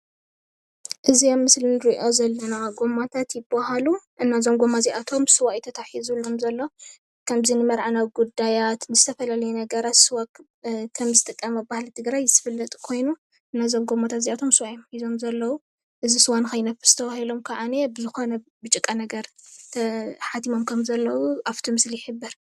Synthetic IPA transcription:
ʔɨzijomːɨslinɨɾiʔo̞zɐlːɐnaɡo̞mat̪ʰat̪jɪbahaluʔɨnːazo̞mɡo̞mːaziʔat̪ʰo̞msɨwaʔjt̪ʰɐt̪ʰaħizulomzɐlːo̞ | kʰɐmzinɨmɐɾʕanawiɡud̪ajat̪nɨzɨt̪ʰɐfɐlalɐjunɐɡɐɾat̪sɨwak | kʰɐmzɨt̪ʼɨkʼːɐmɐbahlt̪ʰɨɡɾajzɨt̪ʰɨfɨlːɐt̪ʼkʰo̞jnu | ʔɨnːazo̞mɡo̞mːat̪ʰat̪ziʔat̪ʰo̞msɨwaʔjomħizo̞mzɐlːɐwu | ʔɨzisɨwankʰɐjnɐfɨ̥st̪ʰɐβahilo̞mkʰaʕanebɨzɨxo̞nɐbɨt͡ʃʼɨkʼːanɐɡɐɾt̪ʰɐħat̪imo̞mkʰɐmzɐlːɐwuʔaft̪ʰimɨsliɪħɨbːɨɾ

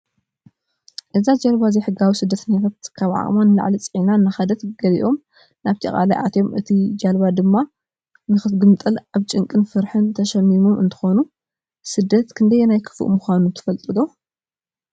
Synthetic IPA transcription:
ʔɨzad͡ʒalβazejħɨɡawisɨd̪ːɐt̪ʰɐɲːat̪ʰat̪kʰaβʕa̰ʔʼmanːɨla̰ʕlit͡sʼʕinanːaxɐd̪ɐt̪ɡ̥ɐlḭʔo̞m | naβt̪ʰɐkʼa̰lajʔa̰t̪ʰjo̞mɨt̪ʰid͡ʒalβad̪ɨmːa | nɨxɨtɡɨmt̪ʼɨlaβt͡ʃʼɨŋkʼɨnfɨɾħɨnt̪ʰɐʃɐmːimomʔɨ̰nt̪ʰɨ̥xonu | sɨd̪ːɐt̪kʰɨnd̪ɐjːenajkʰɨ̥fɨ̰ʔmuxʷanut̪ʰɨ̥fɐlt̪ʼɨd̪o̞

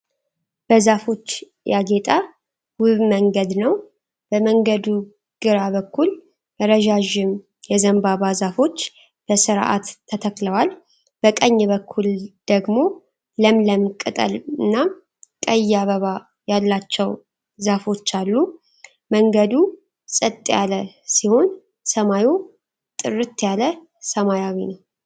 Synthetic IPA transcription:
b̥əzafo̞t͡ʃː | jaɡe̞t̪ʼa | wʊβməŋɡəd̪nəw | b̥əməŋɡəd̪u | ɡ̥ɨɾaβəkːul | bəɾəʒaʒɪm | jɛzəmbaβazafo̞t͡ʃː | b̥əsɨɾʔa̰t̪ʰːət̪ʰəkləwal | b̥əkʼəɲːβəkʰːuld̪̥əɡmo̞ | ləmləmkʼːɨt̪ʼə̰lɨnːa | kʼəjːaβəβa | jalːat͡ʃːɛw | zafo̞t͡ʃːalːu | məŋɡəd̪u | sʼɨt̪ʼːjalə | siho̞n | səmaju | t̪ʼɨrɨt̪ːjalə | səmajawinəw

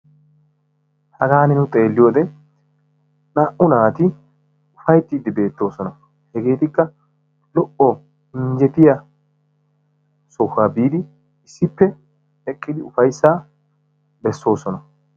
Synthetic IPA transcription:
hɐɡaːnɪnʊt̪ʼe̞ːlːɪjoːd̪ɛ | naːʔʊnaːt̪ɪ | ʊfɐjt̪ːiːd̪ɪbe̞ːt̪ːo̞ːsɔnɐ | hɛɡe̞ːt̪ɪkːɐ | lɔʔɔ | ɪɲd͡ʒɛt̪ɪja | sɔxaːbiːd̪ɪ | ɪsːɪpːɛ | ɛkʼːɪd̪ɪʊfɐjsːaː | bɛsːo̞ːsɔnɐ

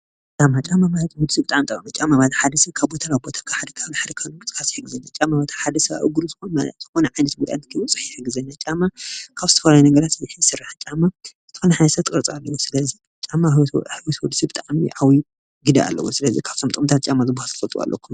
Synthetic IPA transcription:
t͡ʃʼamːat͡ʃʼamamaht̪ʰhud̪ɨsibɨt̪ʼaʕmit̪ʼɐ̰mat͡ʃʼamːabat̪ħad̪ɐsɐβkʰaβbot̪ʰalawibo̞t̪ʰakʰaħad̪ɐkʰaβliħad̪ɐkʰalɡɨt͡sʼkasi̥ħɨɡɨzɐnːat͡ʃʼamːabat̪ʰaħad̪ɐsɐβa̰ʔɨɡuɾuzɨxonaz̥ɨxo̞nɐʕajnɐt̪bud̪a̰nt̪ɨkʰɐwut͡sʼɨ̥ħiħɨɡɨzɐnːat͡ʃʼamːakʰaβzɨt̪ʰɐfɐlajunɐɡɐɾat̪zħijsɨrːaħt͡ʃʼamːazɨt̪ɨ̥xonɐħajnɐsɐt̪ʼːɨkʼɨɾt͡sʼalːɐwusɨlɐzi | t͡ʃʼamːaħɨwɔt̪wud̪sibɨt̪ʼaʕmiʔawi | ɡɨd̪aa̰lːɐ̰wusɨlɐzikʰḁβ̥t̪ʰo̞mt̪ʼkʼɨmt̪ʰat̪̚t͡ʃʼamːazɨbahalt̪ʰɨfɐlt̪ʼuwa̰lːɐ̰kʰːum

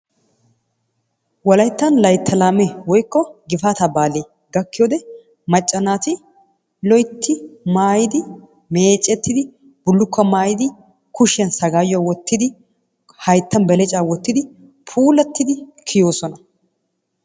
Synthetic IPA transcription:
wɔlɐjt̪ːɐnlɐjt̪ʰːɐlaːmɛwɔjkːɔɡɪfaːt̪aːbaːleː | ɡɐkːɪjoːd̪ɛ | mɐt͡ʃʼːɐnaːt̪ɪ | lɔjt̪ʰːɪmaːjɪd̪ɪ | meːt͡ʃʼːɛt̪ːɪd̪ɪ | b̥ʊlːʊkːɐmaːjɪd̪ɪ | kʊʃɛnsɐɡaːjːɔawɔt̪ːɪd̪ɪ | hɐjt̪ːɐnbɛlɛt͡ʃʼaːwɔt̪ːɪd̪ɪ | pʰuːlɐt̪ːɪd̪ɪkʰɪjo̞ːsɔnɐ

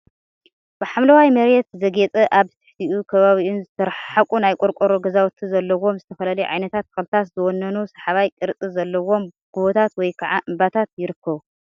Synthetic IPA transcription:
b̥ɨħamlɐwajmɐɾet̪zɐɡet͡sʼɐʔaβzɨt̪ʰɨ̥ħt̪ʰiʔukʰɐβaβiunzɨt̪ʰɐɾħakʼunajkʷʼoɾkʼoɾoɡɐzawt̪ʰizɐlːɐwo̞mzɨt̪ʰɐfɐlalɐjʕa̰jnɐt̪ʰat̪̚kʰɨxlt̪ʰat̪zɨwɔnːɐnusɐħaβajkʼɨɾt͡sʼizɐlːɐwo̞m | ɡ̥uβot̪ʰat̪wɔjkʰɐʕaʔɨmbat̪ʰat̪jɪɾɨkːɐβu

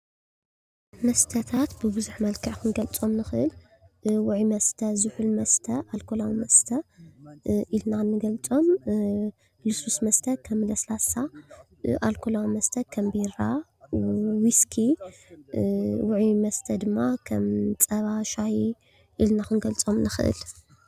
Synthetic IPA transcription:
mɐst̪ʰɐt̪ʰat̪bɨbɨzuħmɐlkʰɐʕkʰɨnɡɐlt͡sʼo̞mnɨxɨʔɨl | wʊʕimɐst̪ʰɐzɨħulmɐst̪ʰɐʔalkʰolawimɐst̪ʰɐ | ʔilnanːɨɡɐlt͡sʼo̞m | lususmɐst̪ʰɐkʰɐmːɨlɐslasa | ʔalkʰolawimɐst̪ʰɐkʰɐmbiɾa | wiskʰi | wʊʕimɐst̪ʰɐd̪ɨmːakʰɐmt͡sʼɐβaʃai | ʔilnaxɨnɡɐlt͡sʼo̞mnɨxɨʔɨ̰l

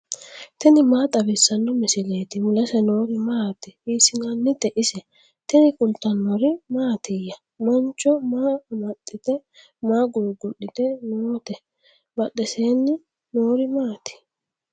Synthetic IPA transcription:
t̪ɛnɪmaːt̪ʼɐbɛsːɐnːɔmɪsɪle̞ːt̪ɪwʊlɐsɛno̞ːɾɪmaːt̪ɪhiːsɪnanːɪt̪ɛʔɪsɛ | t̪ɛnɪkʼʊlt̪ːɐnːɔɾɪmaːt̪ɪjːɐ | mɔnt͡ʃːɔmaːmɐt̪ʼːɪt̪ɛ | maːɡuɾɡʊɗɪt̪ɛnoːt̪ɛ | bɐɗɛseːnːɪ | noːɾɪmaːt̪ɪ̥

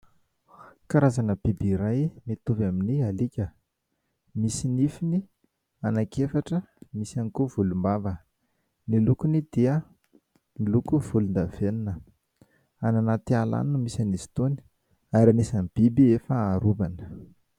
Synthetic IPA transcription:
kaɾazanəb̥ibiɾajmet̪uvaminialikʲə | misinifini | anakefaʈ͡ʂə | misanikuvulumbavə | nilukunid̪̥iə | nilukuv̥ulund̪av̥eninə | ananat̪iala̰nnumisanizi̥t̪oni̥ | aɾanisanib̥ibiefəaɾuvanə̥

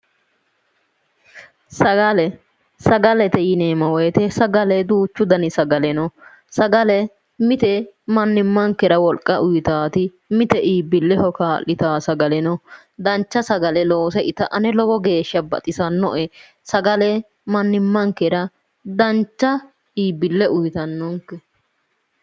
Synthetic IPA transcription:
sɐɡɐlɛ | sɐɡɐlɛt̪ɛjɪneːmɐwɔjɛt̪ɛsɐɡɐlɛd̪uːt͡ʃːʊd̪ɐnɪsɐɡɐlɛnɔ | sɐɡɐlɛ | mɪt̪ɛmɐnːɪmːɐŋkːɛɾɐwɔlkʼːɐʔʊjɪt̪aːt̪ɪ | mɪt̪ɛʔiːbːɪlːɛhɔkaːlːɪt̪aːsɐɡɐlɛnɔ | d̪ɐnt͡ʃːɐsɐɡɐlɛlo̞ːsɛʔɪt̪ɐʔɐnɛlɔɡɔɡe̞ːʃːɐbɐ̰t̪ʼɪsɐnːɔʔɛ | sɐɡɐlɛ | mɐnːɪmːɐŋkːɛɾɐ | d̪ɐnt͡ʃːɐ | iːbɪlːɛʔʊjt̪ɐnːɔŋkːɛ

